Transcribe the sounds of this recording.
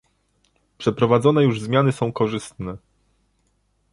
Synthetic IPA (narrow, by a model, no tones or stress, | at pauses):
pʂɛpɾɔvad̪zɔnɛjuʐzmʲjanɘsɔ̃w̃kɔʐɘst̪nɛ